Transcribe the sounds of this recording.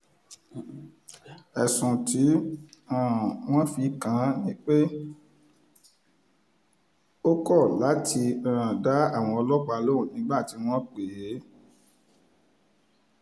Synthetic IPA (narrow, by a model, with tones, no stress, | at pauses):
ɛ˨sũ˨ti˨˦ã˦˨w̃ɔ̃˦fi˧kã˨˦nĩ˦k͡pe˦ | o˦kɔ˦˨la˨˦ti˧ã˦˨ã˨da˨˦a˦˨w̃ɔ̃˧ɔ˧lɔ˦k͡pa˧lo˦ũ˦˨nĩ˨˦ɡ͡ba˦˨ti˨˦w̃ɔ̃˦k͡pe˨je˨˦